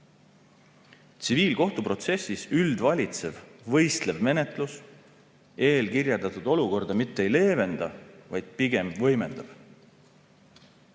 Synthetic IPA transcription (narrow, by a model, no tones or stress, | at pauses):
t̪siviːlko̞ht̪upro̞t̪se̞sːisyld̪vɑlʲit̪se̞v̥vɤ̞jst̪le̞vme̞net̪ˑlus | e̞ːlkirjɑld̪ɑt̪ud̪̥o̞luko̞rd̪̥ɑmit̪ːee̞jle̞ːve̞nd̪̥ɑvɑjd̪̥̚piɡe̞mvɤ̞jme̞nd̪̥ɑb̥